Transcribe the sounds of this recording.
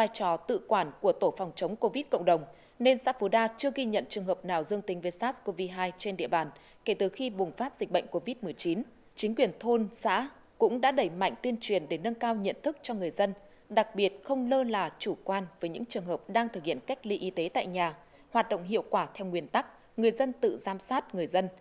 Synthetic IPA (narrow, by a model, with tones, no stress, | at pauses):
vaː˧jt͡ɕɔ˨˩t̪ɨ̰˧˨kwaː˧˩nku˧˩ət̪o˧˩fa˨˩wŋ͡mt͡ɕə˨˦wŋ͡mko˧vi˦˥t̚kə̰˧˨wŋ͡mɗə˨˩wŋ͡m | ne˧nsa̰ː˧˥fu˨˦ɗaː˧t͡ɕɨ˧əɣi˧ɲə̰˧˨nt͡ɕɨ˨˩əŋɦəː˨˩p̚naː˨˩wzɨ˧əŋt̪i˨˦ŋ̟veː˨˦jsaː˦˥sko˧vi˧ɦaː˧jt͡ɕe˧nɗḭ˧˨əɓaː˨˩n | ke˧˩t̪ɨ˨˩xi˧ɓʊ˨˩ŋ͡mfaː˦˥t̚z̥ï˨˩k̟̚ɓə̰˧˨ŋ̟ko˧vi˦˥t̚mɨ˨˩əjt͡ɕi˨˦n | t͡ɕï˨˦ŋ̟kwi˨˩ənt̪ʰo˧nsa̰ː˧˥ | kʊ̰˧˥ŋ͡mɗa̰ː˧˥ɗə˧˩jma̰˧˨jŋ̟t̪wi˧ənt͡ɕwi˨˩ənɗe˧˩nə˧nkaː˧wɲə̰˧˨nt̪ʰɨ˦˥k̚t͡ɕɔ˧ŋɨ˨˩əjzə˧n | ɗa˨˩k̚ɓi˨˩ət̚xə˧wŋ͡mləː˧laː˨˩t͡ɕu˧˩kwaː˧nvəː˨˦jɲɨ̰˧˥ŋt͡ɕɨ˨˩əŋɦəː˨˩p̚ɗaː˧ŋt̪ʰɨ˨˩k̚hḭ˧˨ənka˦˥jk̟̚li˧ʔi˨˦t̪e˨˦t̪a̰ː˧˨jɲaː˨˩ | hwaː˨˩t̚ɗə̰˧˨wŋ͡mɦḭ˧˨əwkwaː˧˩t̪ʰɛ˧wŋwi˨˩ənt̪a˦˥k̚ | ŋɨ˨˩əjzə˧nt̪ɨ̰˧˨zaː˨˧msaː˦˥t̚ŋɨ˨˩əjzə˧n